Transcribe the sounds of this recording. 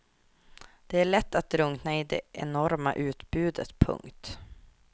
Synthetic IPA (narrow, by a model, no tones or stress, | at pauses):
d̪̥ɛæɭɛt̪ːat̪̚ɾɵŋnaɪd̪ɛ̰ʔɛnɔɾmaʔʉ̟ːt̪bʉ̟ːd̪ət̪pʰɵ̰ŋkt̪